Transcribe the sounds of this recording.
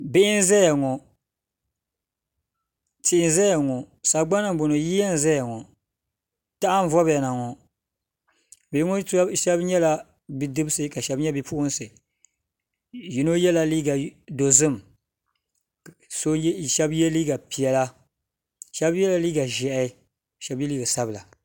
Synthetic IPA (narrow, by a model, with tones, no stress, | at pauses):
bɪ˦ʔɪ˦n˦zɛ˦ja˨ŋɔ˨ | tɪ˨ɪ˦n˦zɛ˦ja˨ŋɔ˨ | sa˨ɡ͡ba˦nɨ˨m˨bʊ˨nɨ˨ji˦a˦n̩˨zɛ˦ja˨ŋɔ˨ | ta˦ʔa˦n˦vɔ˦ba˨na˨ŋɔ˨ | bɪ˨ɪ˦ŋɔ˦ʃɛ˦bɲɛ˦la˨ | bi˦dɨ˦bɨ˦sɨ˦ka˨ʃɛ˦bɲɛ˦bi˦pu˦ʔʊ˦n˦sɨ˨ | ji˦no˦jɛ˦la˨liː˦ɡa˨do˨zɨ˦˨m˨ | so˦˨ʃɛ˦bjɛ˦liː˦ɡa˨pi˨ɛ˨la˦ | ʃɛ˦bjɛ˦la˨liː˦ɡa˨ʒɛ˨ʔ | ʃɛ˦bjɛ˦liː˦ɡa˨sa˦bɨ˨la˨